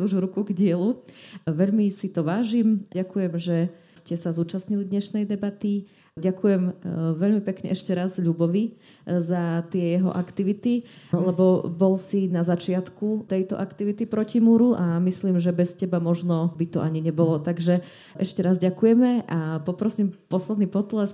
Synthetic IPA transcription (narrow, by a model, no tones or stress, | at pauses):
uʒvɾukuɡɟɪɛluʋɛʎmisit̪ɔʋaːʒimɟakujɛmʒɛ | scɛsazuːt͡ʃasɲilid̪ɲɛʃnɛjd̪ɛbat̪i | ɟakujɛmʋɛʎmipɛkɲɛ̰ʔɛʃcɛɾazʎubɔʋi | zat̪ɪɛjɛɦɔ̰ʔa̰kt̪iʋit̪ilɛbɔbɔlsinazat͡ʃɪat̪kut̪ɛjt̪ɔ̰ʔakt̪iʋit̪ipɾɔcimuɾuʔamisliːmʒɛbɛscɛbamɔʒnɔbit̪ɔʔaɲiɲɛbɔlɔt̪aɡʒɛ | ʔɛʃcɛɾazɟakujɛmɛʔapɔpɾɔsiːmpɔslɛd̪niːpɔt̪lɛs